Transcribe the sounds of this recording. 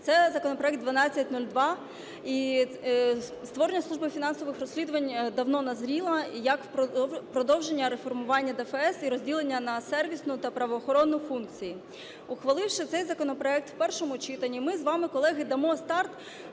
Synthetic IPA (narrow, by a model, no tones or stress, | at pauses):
t̪sɛzɐkɔnɔpɾɔɛk̪̚d̪ʋɐnɑt͡sʲːɐt̚ʲnulʲd̪ʋɑ | i | st̪ʋɔɾenʲːɐsˠuʒbɪfʲinɑnsɔʋɪxrɾɔsʲlʲid̪ʊʋɐnʲd̪ɐwnɔnɐzɾʲilˠɐjɐkpɾɔd̪ɔwʒenʲːɐɾefɔrmʊʋɑnʲːɐd̪ɛfɛɛsiɾɔzʲdʲilˠenʲːɐnɐsɛrʋʲisnʊt̪ɐpɾɐʋɔːxɔɾɔnːʊfunkt͡sʲiji | ʊxʋɐlˠɪwʃɪt̪sɛjzɐkɔnɔpɾɔɛk̚t̪wpɛrʃɔmʊt͡ʃɪt̪ɐnʲːimɪzʋɑmɪkɔlˠɛɦɪd̪ɐmɔst̪ɑrt̪